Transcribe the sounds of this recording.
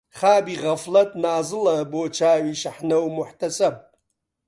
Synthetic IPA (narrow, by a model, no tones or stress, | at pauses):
χaːbiʁɐflɐtʼnaːzɨlɐboːt͡ʃʰaːɥiʃaħnɐwmʊħtʰɐsʼɐb̚